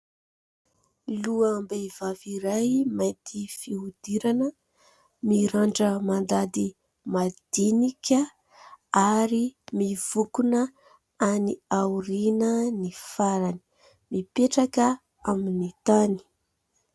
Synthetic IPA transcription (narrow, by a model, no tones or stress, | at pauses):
luambevaviɾajmajt̪ifiɦud̪̥iɾanə | miɾaɳɖ͡ʐəmand̪ad̪i | mad̪̥inikʲə | aɾimiv̥ukunə | aniauɾinənifaɾani̥ | mipeʈ͡ʂakə | aminit̪ani̥